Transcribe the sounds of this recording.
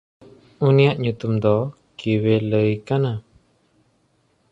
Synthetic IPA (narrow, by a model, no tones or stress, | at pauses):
unijaʔɲut̪umd̪ɔ | kiwɛləjkana